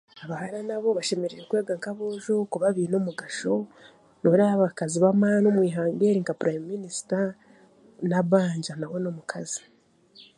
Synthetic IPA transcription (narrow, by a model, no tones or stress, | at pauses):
aβahaɾanaβo̞βaʃe̞me̞ɾeɾekweːɡaŋkaβoːʒokuβaβiːnomuɡaʃo̞ | noɾaβakaziβamanomwiːɦaːŋɡeɾiŋɡapɾajmminisi̥ta | naβaːɲɟanaweno̞mukʰazi